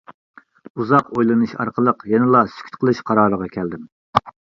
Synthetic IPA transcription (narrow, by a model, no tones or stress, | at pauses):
uzɑqojlˠɨnɨʃɑ̰ɾqʰəlˠəqjɛnɪlˠɑsy̥kʲʰy̥t̪̚qʰəlˠɨʃqʰɑɾɑːɾəʁɑkʲʰɛld̪ɪm